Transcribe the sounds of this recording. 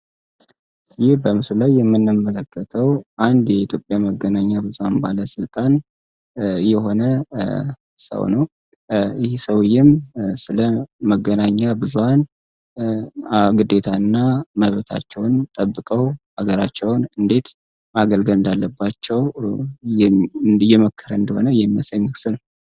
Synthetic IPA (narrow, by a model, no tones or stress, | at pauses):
jɪhbəmɨsulajːɛmːɨnːɨmːələkːət̪ʰəwʔand̪jɛit̪ʰjo̞pʼjaməɡːənaɲːabɨzuhanbaləsɨlt̪ʼan | jɛɦo̞nə | sə̰wnəw | jɪhsəwjɪmsɨləməɡːənaɲːabɨzuhan | ɡɨd̪e̞t̪ʰaɨnːaməβt̪ʰa̰t͡ʃːɛwnt̪ʼəbːɨkʼəwhaɡəɾat͡ʃːɛwnɨnd̪e̞t̪ | maɡəlɡəlɨnd̪alːəbːat͡ʃːɛw | jɛməkʰːəɾəɨnd̪əho̞nəjɛmːəsəɲːɨksɨn